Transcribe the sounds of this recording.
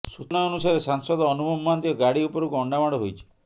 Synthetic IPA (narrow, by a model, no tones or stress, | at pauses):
sunɔɔnusaɾesaŋsɔd̪ɔːnubɔmːant̪ijɔɡaɽiupɔɾukuɔɳɖamaɽɔɦojt͡ʃʰi̥